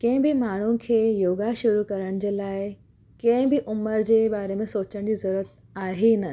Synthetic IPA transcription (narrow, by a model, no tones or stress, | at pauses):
kɐ̃ɦɪ̃bɪmaːɳ̤unɪ̆kʰeːjoːɡaʃʊɾukɐɾəɽ̃d͡ʑeːlaːɪ | kɐ̃ɦɪ̃bɪʔʊməɾd͡ʑeːbaːɾemẽsoːt͡ɕəɽ̃d͡ʑiːzɐɾuɾət̪ | aːɦenə